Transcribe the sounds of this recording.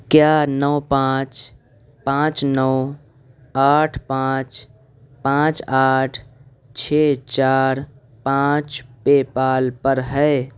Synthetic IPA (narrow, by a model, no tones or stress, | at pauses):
kjanəːpãːt͡ʃ | pãːt͡ʃnɔː | aːʈʰpãːt͡ʃ | pãːt͡ʃaːʈʰ | t͡ʃʰeːt͡ʃaːɾ | pãːt͡ʃpepaːlpəɾɦɛː